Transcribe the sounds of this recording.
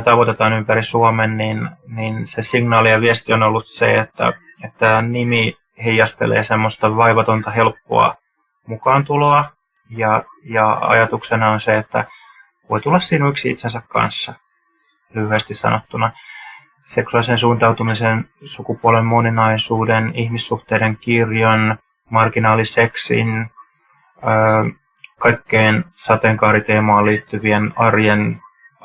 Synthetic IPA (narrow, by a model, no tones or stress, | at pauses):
t̪ɑʋot̪et̪ɑːnympærisuɑmenninninsesiŋnɑːlijɑʋiæst̪ionolːut̪sḛet̪ːæ̰ | et̪ːænimi | heijːɑst̪ḛlḛːsemːost̪ɑʋɑiʋɑt̪ont̪ɑhelpːo̰ɑ̰ | mukɑːnt̪uloɑ | jɑjɑɑ̰jɑt̪uksenɑonseet̪ːæ̰ | ʋoit̪ulːɑssiːnuiksiḭt̪sensækkɑ̰nsːɑ | lyhyest̪issɑ̰not̪ːunɑ | seksuɑlisensuːnt̪ɑwt̪umisensukupuolemːoninɑisuːdenihmisːuht̪eːdeŋkirjɑn | mɑrkinɑːliseksḭn | øː | kɑikːeːnsɑt̪eŋkɑːɾit̪eːmɑːlliːt̪ːyʋienɑrjen